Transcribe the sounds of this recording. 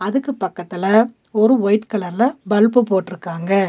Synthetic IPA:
ɐðɯkːɯpɐkːɐt̪ːɪlɐ | ɔɾɯɔjɪʈkɐɭɐɾlɐbɐlpɯpoːʈːɪɾɯkːaːŋɡɐ

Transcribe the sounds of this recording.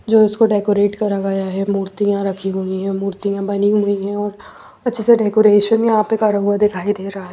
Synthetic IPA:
d͡ʒoːɪskoɖeːkoːɾeːʈkɐɾaɡɐjaɦɛmuːɾt̪ijãɾɐkʰiɦʊiɦɛ̃muːɾt̪ijãbɐniɦʊiɦɛ̃ɔːɾ | ɐtːʃʰeseɖɛːkoːɾeːʃənjɐɦãpekaɾəɦuad̪ɪkʰaːid̪eːɾɐɦaɦɛ

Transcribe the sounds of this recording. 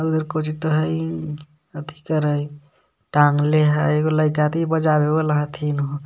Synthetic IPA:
aɡud̪əɾkot͡ʃit̪əɦəj | ət̪ʰi̥kəɾəj | ʈaŋɡleɦəjɡoləjk̬at̪ibəd͡ʒabeboləɦə̃t̪ʰinɦo

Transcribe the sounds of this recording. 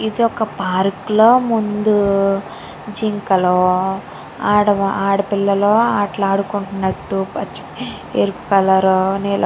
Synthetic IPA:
id̪iɔkɐpaːɾklo̞ːmund̪u | d͡ʒiŋkɐloː | aːɽɐaːɽɐpilːɐloːaːʈlaːɽukuɳʈunːɐʈːupɐt͡ʃːi̥ | eɾupu̥kɐlɐɾoːneːl

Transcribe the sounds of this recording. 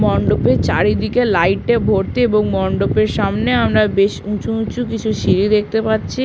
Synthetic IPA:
mɔɳɖopet͡ɕaɾid̪ikelajʈebʱoɾt̪eeboŋmɔɳɖopeɾʃamneamɾabeʃũt͡ɕʰuũt͡ɕʰukit͡ɕʰuʃiɾid̪ek̚t̪epatːɕʰi

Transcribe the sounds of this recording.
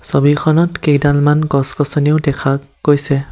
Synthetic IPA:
sobikʰɔnɔtkejdalmanɡɔskɔsɔniʊdɛkʰa | ɡ̥ojsɛ

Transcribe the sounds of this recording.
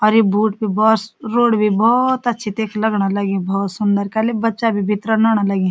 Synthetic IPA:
ɔːɾjebuːʈ̚bʱibɔːtsɾoːɽbʱibɔːt̪ətːʃʰit̪eːkʰləɡnaləɡẽbɔːt̪sʊnd̪əɾkəlebətːʃabʱibʱɪt̪ɾənaːɽ̃aləɡẽ

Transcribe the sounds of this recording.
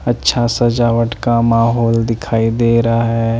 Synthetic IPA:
ɐtːʃʰasɐd͡ʒaːʋəʈkamaːɦɔːld̪ɪkʰaːid̪eːɾaɦɛː

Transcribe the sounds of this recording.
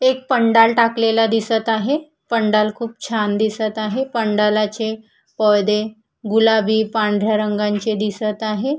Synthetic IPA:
ek̚pəɳɖalʈaklelad̪isət̪aɦe | pəɳɖalkʰuːp̚t͡ɕʰand̪isət̪aɦepəɳɖalat͡ɕe | pəd̪e | ɡulabʱiːpaɳd̪ʱjaɾəŋɡãɲt͡sed̪isət̪aɦe

